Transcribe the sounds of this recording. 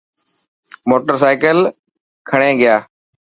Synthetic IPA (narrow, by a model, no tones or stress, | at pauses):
moːʈəɾsaːkəl | kʰəɳ̃ẽːɡɪjaː